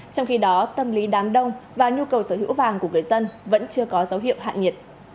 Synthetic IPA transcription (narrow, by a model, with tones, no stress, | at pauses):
t͡ɕɔ˧wŋ͡mxi˧ɗɔ˨˦t̪ə˧mli˨˦ɗaː˨˦mɗə˧wŋ͡mvaː˨˩ɲu˧kə˨˩wsəː˧˩ɦɨ̰˧˥wvaː˨˩ŋku˧˩əŋɨ˨˩əjzə˧nvə̰˧˥nt͡ɕɨ˧əkɔ˨˦zə˨˦wɦḭ˧˨əwɦa̰ː˧˨nɲi˨˩t̚